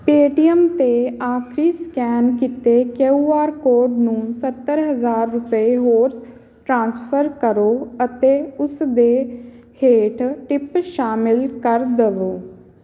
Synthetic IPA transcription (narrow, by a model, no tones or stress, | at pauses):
peːʈiəmt̪eːaːkʰɾiːskɛːnk̬it̪eːkeuːaːɾkoːɖnũːsət̪ːəɾɦəzaːɾːʊpeɦoːɾs | ʈɾãːnspʰəɾkəɾoːət̪eːʊsd̪eː | heːʈʰʈɪpʃaːmɪlkəɾd̪əʋoː